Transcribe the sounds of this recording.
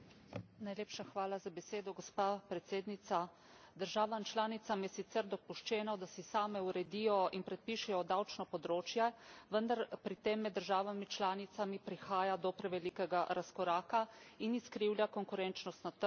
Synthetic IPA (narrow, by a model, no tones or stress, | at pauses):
najleːpʃaxʋaːlazabɛseːd̪ɔɡɔspaːpɾɛt̪seːd̪nit̪sa | d̪əɾʒaːʋamt͡ʃlaːnit̪samjɛsit̪sɛɾd̪ɔpuʃt͡ʃɛːnɔd̪asɛsaːmɛuɾɛd̪iːjɔinpɾɛt̪̚piːʃɛjɔd̪awt͡ʃnɔpɔd̪ɾoːt͡ʃjɛʋənd̪aɾpɾit̪emːɛd̪ːəɾʒaːʋamit͡ʃlaːnit̪samipɾixaːjad̪ɔpɾɛʋɛlikɛɡaɾaskɔɾaːkainiskɾiːwljakɔŋkuɾɛnt͡ʃnɔst̪nat̪ə